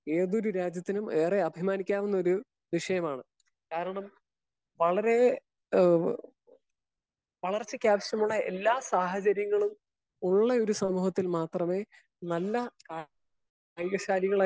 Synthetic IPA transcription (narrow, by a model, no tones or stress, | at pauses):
eːðo̞ɾuɾaːd͡ʑjɐt̪ːinume̞ːreɐbʱimaːnikʲːaːʋunːɐoɾu | ʋiʂɐjɐmaːɳɨ | kaːɾɐɳɐm | ʋɐɭɐɾe̞ | ʋɐɭɐrt͡ɕːɨkʲaːpɕɐmuɭːɐe̞̰lːaːsaːɦɐd͡ʑɐɾjɐŋːɐɭum | uɭːɐo̞ɾusɐmuːɦɐt̪ːilmaːt̪rɐme̞ː | nɐlːɐka | juɣɐɕaːliɣɐɭa